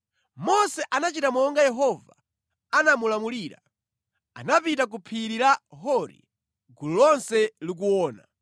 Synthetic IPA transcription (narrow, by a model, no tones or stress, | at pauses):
mɔsɛʔanat͡ʃitamɔŋɡajɛɦɔva | anamulamuliːɾa̰ | anapitak̬upʰiɾiɾaɦɔɾḭ | ɡululɔnsɛlik̬uwɔːna̰